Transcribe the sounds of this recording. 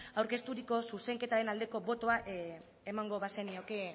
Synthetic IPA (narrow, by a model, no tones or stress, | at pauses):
awɾke̞st̪uɾiko̞suse̞ŋke̞t̪aɾe̞nald̪e̞ko̞βo̞t̪o̞aʔ | emaŋɡo̞βasenio̞ke